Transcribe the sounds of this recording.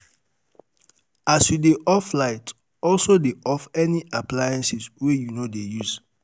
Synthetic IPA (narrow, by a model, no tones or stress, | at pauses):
asjudeʔɔflaɪt | ɔlsodeʔɔfɛniʔaplajãnsiswejunodejuz